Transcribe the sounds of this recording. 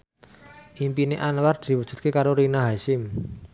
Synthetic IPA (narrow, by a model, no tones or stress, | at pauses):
ʔimpineʔanward̪̥i̤wud̥ʒ̥ṳt̪̚kekaɾoɾinaɦaʃɪm